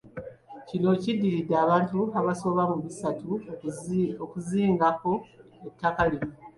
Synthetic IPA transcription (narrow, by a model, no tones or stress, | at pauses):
cino̞cidːiɾidːeaːβaːntuaβaso̞βamuβisatu | okuziːŋɡako̞ | etːakali